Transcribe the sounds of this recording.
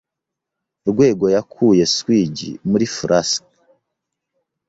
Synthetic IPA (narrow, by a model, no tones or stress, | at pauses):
ɾɡwe̞ːɡo̞jakʰuːje̞swiɟḭmuɾifuɾʔas